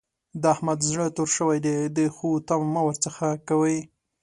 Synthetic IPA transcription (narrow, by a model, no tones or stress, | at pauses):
d̪əahmad̪zɽət̪oɾʃəwajd̪ed̪əxut̪ammawəɾt͡səxakawəj